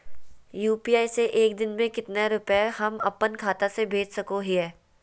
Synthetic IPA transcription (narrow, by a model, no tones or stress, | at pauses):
juːpiːaːiseʔeːk̚d̪ɪnmẽkɪt̪naɾʊpehɐmɐ̰pːənkʰaːt̪asebʱeːd͡ʒsɐkoɦiɦɛː